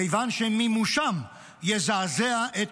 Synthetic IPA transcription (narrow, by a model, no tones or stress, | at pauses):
ejvanʃemimuʃam | jezazeaʔet̪